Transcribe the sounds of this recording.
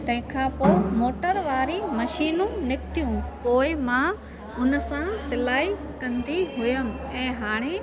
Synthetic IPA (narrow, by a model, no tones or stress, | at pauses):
t̪ɐ̃ɦɪ̃kʰãːpoːmoːʈəɾʋaːɾimɐʃiːnũnɪkt̪ʰijũpoːɪmã | ʊnəsãsɪlaːi | kɐ̃nd̪iɦʊjəm̆ɛ̃ːɦaːɽ̃e